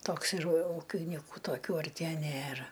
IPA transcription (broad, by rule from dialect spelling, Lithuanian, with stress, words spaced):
ˈtoːks ɪr ˈuːkʲɪnʲɪkʊ toːˈkʲuː ɐrʲˈtʲiɛ ˈnʲeːrɐ